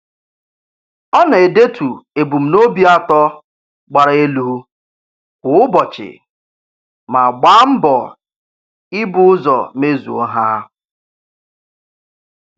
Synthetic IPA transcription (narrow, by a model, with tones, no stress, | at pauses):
ɔ˦na˨e˨de˦tʰu˨e˨bu˨m̩˨no˦bi˦a˦tɔ˦ | ɡ͡ba˨ɾa˨e˦lu˦u˦ | kʷʊ˨ʊ˦bɔ˨t͡ʃɪ̰˨ | ma˨ɡ͡ba˦m̩˦bɔ˨ | ɪ˦bʊ˦ʊ˦zɔ̰˨me˦zṵ˨ɔ˦ɦa˦